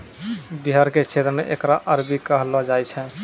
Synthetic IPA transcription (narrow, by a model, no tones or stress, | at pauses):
biɦaɾket͡ʃʰet̪ɾəmeʔekɾaʔəɾbikəɦlɔd͡ʒajt͡ʃʰɛ̃